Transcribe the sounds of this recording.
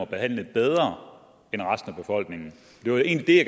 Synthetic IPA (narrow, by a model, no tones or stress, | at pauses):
ɒb̥e̝hæn̰ləð̩ˠb̥eð̞ˠʁɐ | enʁasd̥n̩æb̥e̝fɒ̽l̰ɡ̥ne̝ŋn̩ | ɒd̥e̝ʋɑe̝̰ːnlid̥e̝jaɡ̥